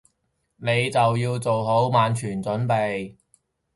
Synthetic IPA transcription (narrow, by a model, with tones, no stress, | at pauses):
ne˨˧jt͡sɐ˨wjiː˧wt͡so˨wɦo˨˥wmaː˨˧nt͡ʃʰyː˨˩nt͡sɵ˨˥npe˨˧j